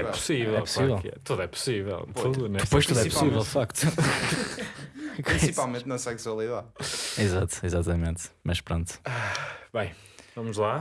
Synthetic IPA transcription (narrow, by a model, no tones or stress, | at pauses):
ɛpu̥sivɛɛlˠpusivɛlˠɛ̰t̪uðuɛpu̥sivɛ̰lˠt̪uðunɛd̪ɨpojʃt̪uðuɛpusivɛlˠd̪fakt̪u | kĩsipalˠmẽnt̪nɐsɛkswɐlˠiðaðizat̪u̥izat̪ɐmẽnt̪mɐʃpɾõnt̪u̥abɐ̃j̃ | vɐmuʒlˠa